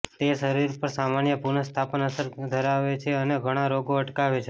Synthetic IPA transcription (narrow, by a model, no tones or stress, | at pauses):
t̪eʃəɾiɾpəɾsamanjəpuɾnəst̪ʰapənəsəɾd̪ʱəɾaʋet͡ʃʰeəneɡʱəɽ̃aɾoɡoəʈkaʋet͡ʃʰe